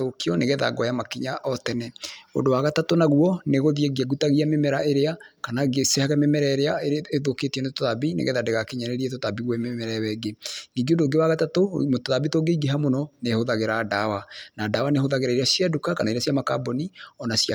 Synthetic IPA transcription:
okiɔneɣɛða̰ɡɔjamakiɲaʔɔtɛnɛo̰ndowaɣatatonaɣuɔneɣoðieɡeaɡutaɣiamemɛɾaeɾeakanaɡesehaɣɛmemɛɾɛɾeaeeðoketiɛnetoðabinḛɣɛðadeɣakeɲaneɾietotabiɣwɛmemɛɾɛwɛɡeniːɡeodoːɡewaɣatatomtoðabitoːɡeiɡeɦamonɔnehoðaɣeɾadawanaːdaːwaneɦoðaɣeɾaiɾeasiadukakanaiɾeasiamaka̰bɔniɔnasia

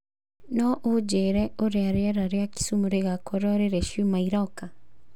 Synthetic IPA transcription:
nɔʔod͡ʒeɾɛoɾeaɾeɛɾaɾeaki̥sumuɾeɣakɔɾɔɾeɾeʃumaiɾɔka

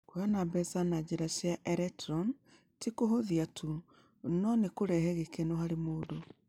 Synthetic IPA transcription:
kwanabɛsanad͡ʑeɾaʃjaʔɛɾɛtɾɔn | tikoɦoðiatʰu | nɔnekoɾɛhɛɣekenoɦaɾemoːdo

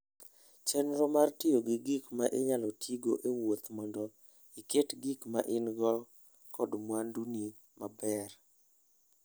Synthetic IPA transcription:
t͡ʃɛnɾɔmartɪjoɡɪɡikmaʔeɲalɔtʰiɡoʔewot̪mɔndɔ | iketɡikmaʔɪnɡɔl | kɔdmwanduni | mabɛr

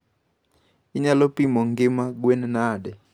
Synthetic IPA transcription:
iɲalɔpimɔŋɡɪmaɡwɛnɛnadɛ

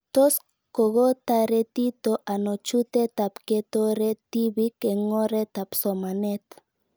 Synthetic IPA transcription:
t̪os | koɣot̪aɾet̪it̪oʔanot͡ʃut̪et̪apket̪oɾet̪iβikeŋoɾet̪apsomanet̪

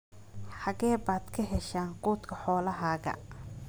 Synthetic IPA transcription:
ħɑɣɛːbaːd̪kʰɐɦɛʃaːnquːt̪kʰɐħɔːlɐɦaːɣɐ̰

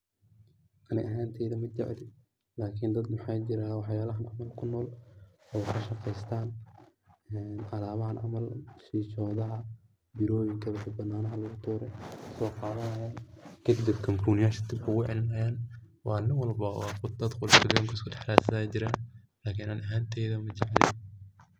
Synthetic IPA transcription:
ʔɐnɪʔɐɦaːnt̪ʰɛːðɐmɐt͡ʃɛ̰ʕlɪ | laːkʰɪnd̪ɐd̪mɐħɑjt͡ʃɪɾaːwɑħjaːlɐɦɐnʔɑ̰mɐlkʰʊnːɔːl | ɔːkʰɐʃɑqɛjst̪ʰaːn | ɛːnʔɑlaːβɐɦɐnʕɑ̰mɐlʃiːt͡ʃɔːðɐɦɐ | bɪɾɔːjɪŋkʰɐwɐħʊbɐnːaːnɐɦɐlɐɣʊt̪ʰuːɾɛjksɔːqɑːðɐnɐjaːnkʰɐd̪ɪd̪ɪbkʰɐmpʰɾuːnɪjaːʃɐt̪ɪbkʰʊɣʊʕɛ̰lɪnɐjaːn | wɑːnɪŋwɑlbɐwɑːqʊd̪ɐd̪qʊlʃʊɡjɐŋkʰɐskʊdɛħlaːsɐaːjt͡ʃɪɾaːn | laːkʰinanɐɦaːnt̪ʰɛjðɐmɐt͡ʃɑʕlɪ̰

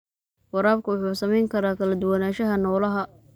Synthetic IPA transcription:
wɐɾaːb̚kʰʊwʊħuːsɐmɛjŋkʰɐɾaːkʰɐlɐd̪ʊwɑnaːʃɐɦɐnɔːlɐɦɐ

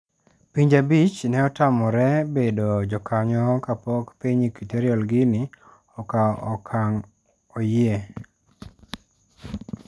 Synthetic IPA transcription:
piɲd͡ʒabit͡ʃnɛɔtamɔɾɛbedod͡ʒɔkʰaɲɔkapɔkpiɲikiteɾjɔlɡɪnɪ | ɔkaɔ̰kʰaŋ | ɔje

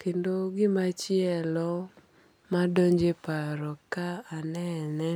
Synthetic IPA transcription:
kendoɡɪmat͡ʃɪɛlɔ | madoɲd͡ʒepaɾɔkaːnɛnɛ

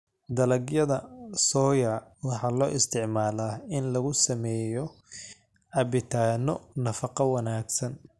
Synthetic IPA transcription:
d̪ɐlɐɡjɐðɐsɔːjɐwɑħɑːlɔːʔɪst̪ʰɪʕmaːlaːɪnlɐɣʊsɐmɛːjɔ | ʕɑβɪt̪ʰaːnɔnɐfɑqɑwɑnaːɡsɐn

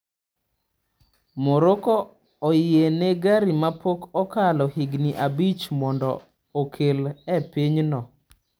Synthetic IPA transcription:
moɾokɔ | ɔjɪeneɡaɾimapokɔkalɔhiɡniʔabit͡ʃmɔndɔ̰ | okʰelɛpiɲnɔ

